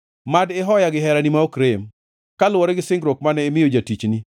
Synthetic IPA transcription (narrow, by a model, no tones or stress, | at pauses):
madɪɦɔjaɡɪɦɛɾanimaokɾem | kalwɔɾɛɡɪsɪŋɡɾok̚manɛɪmɪjod͡ʒatit͡ʃni